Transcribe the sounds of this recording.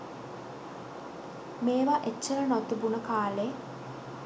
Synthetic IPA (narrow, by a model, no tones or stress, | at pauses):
meːʋaʔet͡ʃːəɾənot̪ubunəkaːleː